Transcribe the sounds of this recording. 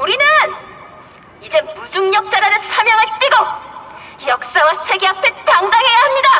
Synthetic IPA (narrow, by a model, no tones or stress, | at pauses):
uɾinɯn | id͡ʑe̞mud͡ʑuŋɲʌk̚t͡ɕ͈aɾanɯnsʰamjʌŋɯɭt͈iɡo | jʌk̚s͈awasʰe̞ɡeɦapʰe̞taŋdaŋɦe̞jaɦamɲida